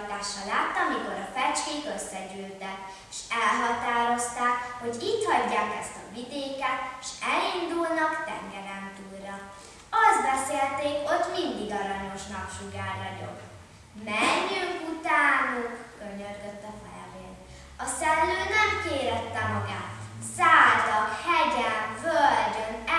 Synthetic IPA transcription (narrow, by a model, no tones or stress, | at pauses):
t̪aːʃɒlaːt̪ːɒmiko̞ɾɒfɛt͡ʃkeːkøsːɛɟyːlt̪ɛk | eːʃɛlɦɒt̪aːɾo̞st̪aːkho̞ɟiːt̪hɒɟːaːkɛst̪ɒ̰vid̪eːkɛt̪eʃɛlind̪ulnɒkt̪ɛ̰ŋɡɛɾɛmt̪uːrːɒ | ɒzd̪bɛseːlt̪eːkho̞t̪mind̪iɡɒɾɒɲo̞ʃnɒpʃuɡaːrnɒɟo̞̰k | mɛɲːyŋkut̪aːnukøɲørɡøt̪ːɒfɛ̰jɛ̰beːn | ɒsɛnːøːnɛmkeːɾɛt̪ːɛmɒɡaːt̪saːd̪ɒkhɛɟɛnvølɟøn